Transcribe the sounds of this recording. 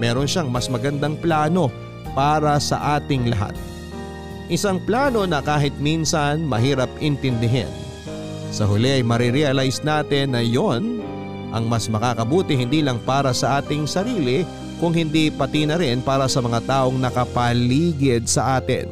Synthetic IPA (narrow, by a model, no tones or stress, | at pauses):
mɛːɾo̞nʃaŋmɐsmɐɡɐnd̪aŋplaːno̞ | paːɾɐsɐ̰ʔaːt̪ɪŋlɐ̰ɦa̰t̪̚ | ʔɪsaŋplaːno̞nɐkaːɦɪt̪̚minsɐnmɐɦiːɾɐp̚ɪnt̪ɪnd̪ɪɦɪ̰n | sɐɦʊlɛʔɐjmɐɾɪɾɛɐlajsnaːt̪ɪnːɐjon | ʔɐ̰ŋmɐsmɐkakɐbuːt̪ɪhɪnd̪iːlɐŋpaːɾɐsɐʔaːt̪ɪŋsɐɾiːlɪ | kʊŋhɪnd̪ipɐt̪inɐɾɪnpaːɾɐsɐmɐŋat̪aːʔo̞ŋnɐkɐpɐliːɡɪd̪̚sɐʔaːt̪ɪ̰n